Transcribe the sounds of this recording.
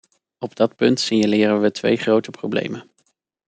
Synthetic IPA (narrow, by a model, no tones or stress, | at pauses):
ɔb̚dɑt̚pɵntsinəlɪːrənʋətʋḛjχrowtəprowblḛjmən